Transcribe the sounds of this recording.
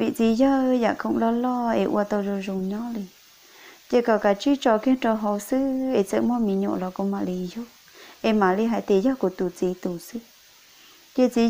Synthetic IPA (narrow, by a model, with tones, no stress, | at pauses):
βi˧ʔt͡si˧ja˦˧ja˧˨kʰa˧ũ˧lo˦lɔ˦˧ḛ˧ʔṵ˧a˧t̪o˧ʐo˧ʐu˧˨ɲõ˦li˧ | t̪e˦˧ka˧˨ka˧t͡ʃi˦t͡ʃɔ˧kĩ˦ʈ͡ʂo˧ɦo˧sɨ˦e˧˨t͡sə˧ʔmõ˦˧mĩ˧ɲõ̰˧lo˧ko˧mã˧ʔli˧jo˦ | e˧mã˨˧li˦ɦa˧t̪e˧˨˧ja˦ku˧˨t̪u˧˨t͡si˧˦t̪u˨sɨ˦ | je˦t͡si˧